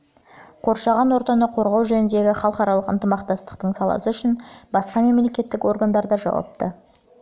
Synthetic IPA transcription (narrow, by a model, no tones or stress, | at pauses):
qʰo̞ɾʃɑʁɑnwo̞ɾt̪ɑnɑqʰo̞ɾʁɑwʒɵnɪnd̪e̞ɡʲɪχɑlˠqɑɾɑlˠəqə̰nt̪əmɑqt̪ɑst̪ə̥qt̪əɴsɑlˠɑ̰səʏʃɪnbɑsqɑme̞mle̞kʲe̞t̪ːɪko̞rɡand̪ɑɾd̪ɑʒɑ̰wɑ̰p̚t̪ə